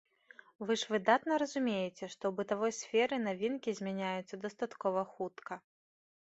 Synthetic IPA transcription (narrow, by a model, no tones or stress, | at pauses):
vɨʐvɨd̪at̪nɐɾɐzumʲejɛt͡sʲɛʂt̪ɔwbɨt̪avɔjsʲfʲɛɾɨnavʲinkʲizʲmʲanʲajut̪sːɐd̪ɐst̪at̪kɔvɐxut̪kʰɐ